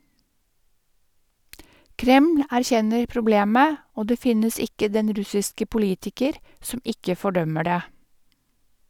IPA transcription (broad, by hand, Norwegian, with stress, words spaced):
ˈkɾɛml̩ æɾˈçɛnəɾ pɾʊˈbleːmə ˈoː ˈdeː ˈfɪnəs ˈɪkə ˈdɛn ˈɾʉsɪskə pʊˈliːtɪkəɾ ˈsɔm ˈɪkə fɔˈɖœmə ˈɖeː